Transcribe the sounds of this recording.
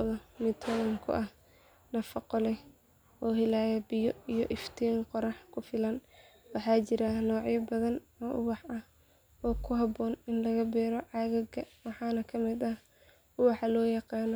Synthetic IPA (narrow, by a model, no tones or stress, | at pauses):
ðɔmɪt̪ʰɔlŋkʰʊ̰ʔɐh | nɐfɑqɔlɛ | ɔːɦɪlaːjɛbɪjɔijɔʔɪft̪ʰiːŋqɔɾɑħkʰʊfɪlɐn | wɑħɑːt͡ʃɪɾɐnɔːʕjɐbɐðɐnɔːʔʊwɑħɐh | ɔːkʰʊɦɑbɔːnɪnlɐɣɐbɛːɾɔʕɑɣɐɡɐwɑħɑːnɐkʰɐmɪd̪ɐh | ʔʊwɑħɑlɔːjɑqɑːnɔ